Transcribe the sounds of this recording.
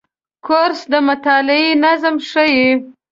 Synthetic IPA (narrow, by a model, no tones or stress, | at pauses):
kʰoɾsd̪əmʊt̪ɑlɪinazmʂəji